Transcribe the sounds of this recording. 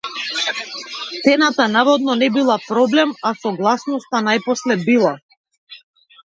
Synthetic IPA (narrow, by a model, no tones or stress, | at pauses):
t̪ɛnat̪anavɔd̪nɔnɛbilˠapɾɔblɛmasɔɡlˠasnɔst̪anajpɔslɛbilˠa